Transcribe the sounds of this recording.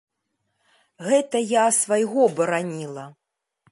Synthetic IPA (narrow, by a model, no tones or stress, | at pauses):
ɣɛt̪ɐjasvajɣɔbɐɾanʲilˠɐ